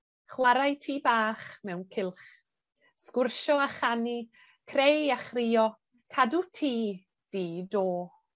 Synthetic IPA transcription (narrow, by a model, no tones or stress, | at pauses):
χwaɾajtʰiːbaːχmɛwnkʰɪlˠχ | skʊrʃɔaχani | kʰrejaχriːɔ | kʰadutʰiː | d̥iːdoː